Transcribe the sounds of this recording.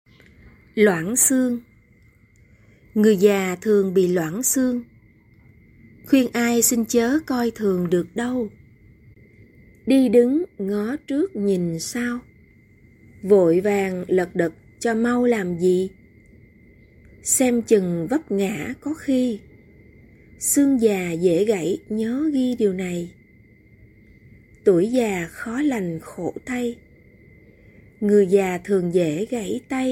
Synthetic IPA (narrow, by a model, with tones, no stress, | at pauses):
lwa̰ː˧˩nsɨ˧əŋ | ŋɨ˨˩əjzaː˨˩t̪ʰɨ˨˩əŋɓḭ˧˨lwa̰ː˧˩˨nsɨ˧əŋ | xwi˧ənʔaː˧jsï˧ŋt͡ɕəː˨˦kɔ˧jt̪ʰɨ˨˩əŋɗɨ˨˩ək̚ɗə˧w | ɗi˧ɗɨ˨˦ŋŋɔ˨˦t͡ɕɨ˦˥ək̚ɲi˨˩nsaː˧w | vo̰˧˨jvaː˨˩ŋlə˨˩k̚ɗə˨˩t̚t͡ɕɔ˧ma˧wlaː˨˩mzḭ˧˨ | sɛ˧mt͡ɕɨ˨˩ŋvə˦˥p̚ŋa̰ː˧˥kɔ˨˦xi˧ | sɨ˧əŋzaː˨˩zḛ˧˥ɣa̰˧˥jɲəː˨˦ɣi˧ɗi˨˩əwna˨˩j | t̪u˧˩əjzaː˨˩xɔ˨˦la˨˩jŋ̟xo̰˧˩t̪a˧j | ŋɨ˨˩əjzaː˨˩t̪ʰɨ˨˩əŋzḛ˧˩˦ɣa̰˧˥jt̪a˧j